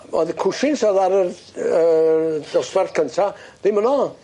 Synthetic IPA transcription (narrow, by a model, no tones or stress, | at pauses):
ɔ̰ðkʰʊʃɪnsɔðaɾər | əd̥ɔswɛrkʰəntʰað̥ɪmənɔ